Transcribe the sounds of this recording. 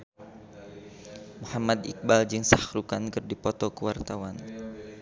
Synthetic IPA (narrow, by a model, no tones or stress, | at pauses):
muhamad̪ik̚bald͡ʒɨŋsahɾukankɨrdipɔt̪ɔkəwart̪awan